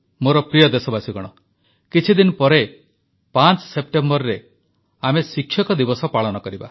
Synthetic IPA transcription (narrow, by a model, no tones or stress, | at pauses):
moɾɔpɾijɔd̪esɔbasiɡɔɽ̃ɔ | kit͡ʃʰid̪inɔpɔɾe | pant͡ʃsep̚ʈembɔɾɾe | amesikʰːjɔkɔd̪ibɔsɔpaɭɔnɔkɔɾiba̰